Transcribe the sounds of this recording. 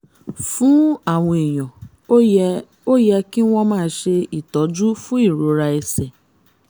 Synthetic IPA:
fũ˦a˦˨w̃ɔ̃˧e˨j̃ɔ̃˨ | o˦jɛ˧ki˦w̃ɔ̃˦mãː˦˧˦ʃe˧i˨tɔ˨˦d͡ʒu˦fũ˦i˦˨ɾo˨˧ɾa˧ɛ˧sɛ˨

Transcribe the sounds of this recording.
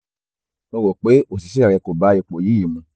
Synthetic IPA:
nõ˦˧wo˨k͡pe˨˦o˦˨si˨ʃɛ˦˨ɾɛ˧˨ko˨ba˦i˧˨k͡po˨ji˦i˨mũ˧

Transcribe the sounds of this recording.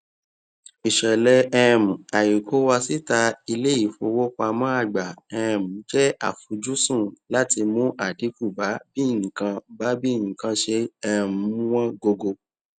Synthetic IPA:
i˨ʃɛ˨lɛ˧ɛ˦˨mũ˨a˨ji˨kʰo˨˦wa˧si˦ta˧i˧le˦i˦˨fo˧wo˦ka˧mã˦a˦˨ɡ͡ba˨ɛ˧˦˨mũ˨˦d͡ʒɛ˦a̰˦˨fu˨˦d͡ʒu˦sũ˦˨la˦ti˧mũ˦ʔa˦˨di˨˦fu˦˨ba˨˦bi˦˨nĩ˨kã˧ba˨˦bi˦˨ĩ˨kã˧ʃe˧ɛ˧˨mu˨˦ũ˦w̃ɔ̃˦ɡo˧ɡo˧

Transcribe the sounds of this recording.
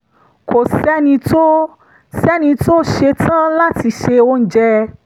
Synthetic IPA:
kʰo˨sɛ˦nĩ˧to˦ | sɛ˦nĩ˧to˦ʃe˧tã˦la˦ti˧ʃe˧wo˦n̩˦d͡ʒɛ˦

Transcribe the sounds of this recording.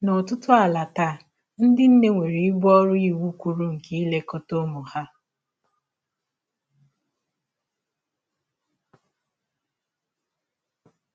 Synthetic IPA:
nɔ˨tʊ˦tʊ˦a˨la˨ta˦˨ | n̩˦dɪ˦n̩˦ne˦ŋʷe˨ɾi˨i˦bɔ˦ɾʊ˦i˨wu˦kʷu˨ɾu˦ŋ̩˨ki˦i˦le˦kɔ˦to˦mʊ˨ha˦

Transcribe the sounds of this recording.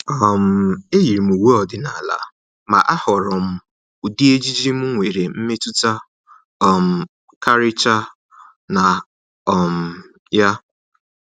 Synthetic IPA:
ɔ˨m̩˨e˦ji˨ɾi˨m̩˨u˨wu˦ɔ˨dɪ˨na˨la̰˨ | ma̰˨ʔa˦hɔ˨ɾɔ˨m̩˦ | u˨di˦e˦d͡ʒi˦d͡ʒi˦m̩˦ŋʷe˨ɾe˨m̩˦me˦tu˦ta˦ | ɔ˨m̩˨ | kʰa˦ɾɪ˦t͡ʃa˦ | na˨ | ɔ˨m̩˨ | ja˦

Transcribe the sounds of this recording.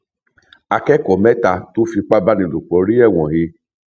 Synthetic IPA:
a˧kɛ˦kɔ˨mɛ˦ta˧to˦fi˧k͡pa˦ba˦nĩ˧˨lu˨k͡pɔ˨˦ɾi˦ɛ˦˨w̃ɔ̃˨he˧

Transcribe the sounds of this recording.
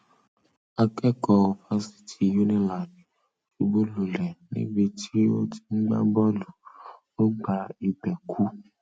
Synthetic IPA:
a˧kɛ˦kɔ˧o˨fa˦si̥˨tʰi˨ju˦nĩ˦la˨d | ʃu˨bo˦lu˨lɛ˨nḭ̃˦bi˧tʰi˦o˦ti̥˧ŋ̩˦ɡ͡ba̰˦bɔ˦lu˨ | o˦ɡ͡ba˧i˨ɡ͡bɛ˨kʰu˦

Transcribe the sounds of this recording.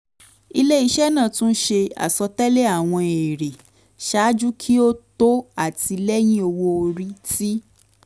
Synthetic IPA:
i˧le˦i˧˦ʃɛ˦nãː˦˨tũ˦ʃe˧a̰˨sɔ˧tɛ˦le˦a˦˨w̃ɔ̃˧e˨ɾe˨ | ʃa˨˦d͡ʒu˦kʰi˦o˦to˦a˦˨ti˧lɛ˦j̃ĩ˦o˧wo˧o˧ɾi˦ti˦

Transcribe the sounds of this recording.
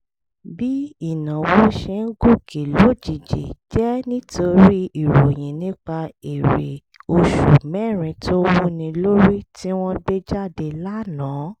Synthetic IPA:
bi˦i˦˨nã˨wo˦ʃe˧n̩˦ɡo˦˨kʰe˨lo˦d͡ʒi˨d͡ʒḛ˨d͡ʒɛ˦nĩ˦tʰo˧ɾi˦i˨ɾo˨j̃ĩ˨nĩ˦k͡pa˧e˨ɾḛ˨ | o˧ʃu˨mɛ˦˨ɾ̃ĩ˧tʰo˦wũ˦nĩ˧lo˦ɾi˦ti˦w̃ɔ̃˦be˦d͡ʒa˦˨de˧la˦nãː˨˦

